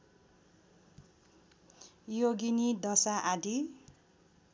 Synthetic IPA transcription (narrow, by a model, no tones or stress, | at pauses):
joɡinid̪ʌsaʔad̪ʱi